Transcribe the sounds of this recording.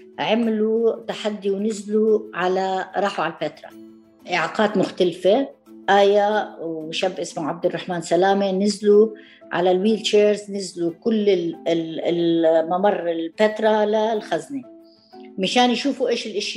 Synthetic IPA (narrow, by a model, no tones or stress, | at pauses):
ʕamlut̪aħad̪ːiwnɪzluʕalaɾˤɑːħuʕalafeːt̪ɾˤɑ̰ | ʔɪʕaːqɑːt̪mʊxt̪alfe | ʔaːjawʃabːʔɪsmʊʕab̚d̪ɪrˤːɑħmaːnsalaːmenɪzlu | ʕa̰lalwiːlt͡ʃeːɾznɪzlukʊlːɪ | lmamɑrˤːɪlfet̪ɾˤɑlalxazne | maʃaːnjʃuːfuʔeːʃɪlʔɪʃ